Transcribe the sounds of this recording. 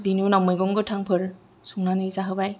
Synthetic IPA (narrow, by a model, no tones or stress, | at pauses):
binunamɯjɡɔŋɡɯtʰaŋpʰɯɾ | suŋnanizaɦɯbaj